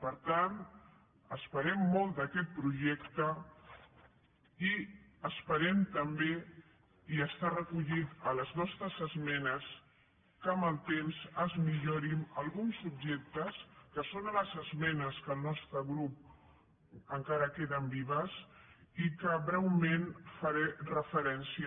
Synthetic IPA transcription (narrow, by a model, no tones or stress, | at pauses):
pəɾt̪an | əspəɾɛmːɔlˠd̪əkɛt̪̚pɾuʒɛkt̪ə | iəspəɾɛmt̪əmbe | iəst̪arəkuʎit̪ələznɔst̪ɾəzəzmɛnəs | kəməlˠt̪emzəzmiʎoɾinəlˠɣunsub̚ʒɛk̚t̪əskəsonələzəzmɛnəskəlˠnɔst̪ɾəɣɾup̚ | əŋkaɾəkeðəmbiβ̞əsikəβɾɛwmenfəɾɛrəfəɾɛnsi